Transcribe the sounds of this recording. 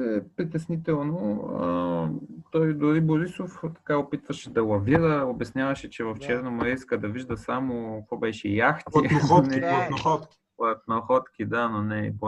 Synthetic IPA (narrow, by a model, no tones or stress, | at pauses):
ɛpɾit̪ɛsnit̪ɛlˠnoə̰ | t̪ɔjd̪ʊɾiboɾisoft̪ɐ̥kaopit̪vəʃɛd̪ɐlˠɐviɾəobɛsnʲjavɐʃɛt͡ʃɛvɐft͡ʃɛɾnɐmɐɾɛiskəd̪ɐviʒd̪əsamokvɔbɛʃɛjaxt̪inonɛɐt̪xɔt̪kipɐt̪̚noxɔt̪k̟id̪anonɛ̰p